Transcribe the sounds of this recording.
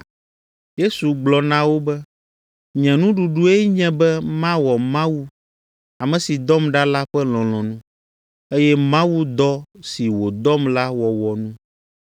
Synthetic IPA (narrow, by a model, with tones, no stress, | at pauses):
je˦su˨ɡ͡blɔ˨nã˦wo˦bɛ˦ | ɲɛ̃˨nũ˦ɖu˨ɖu˦e˦ɲɛ̃˦bɛ˦mã˦wɔ˨mã˦wu˦ | a˨mɛ̃˨si˨d̪ɔ˦mɖa˦la˦ɸɛ˦lɔ̃˨l̃ɔ̃˨nũ˦ | e˦jɛ˦mã˦wu˦d̪ɔ˦si˨wo˨d̪ɔ˦mla˦wɔ˨wɔ˨nũ˦